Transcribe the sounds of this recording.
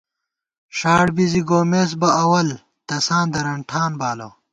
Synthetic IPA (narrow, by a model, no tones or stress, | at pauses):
ɕaːɽbiziɡoːmes̬bɐɐwɐl | t̪ɐsãːnd̪ɐɾɐɳʈʰaːnbaːlo̰ː